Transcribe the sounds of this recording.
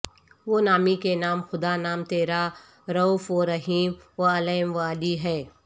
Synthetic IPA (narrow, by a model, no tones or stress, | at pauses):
ʋoːnaːmikenaːmxʊd̪anaːmt̪eːɾa | ɾɐuːfoɾɐɦiːmʋɐɐleːɪmʋaːliɦɛː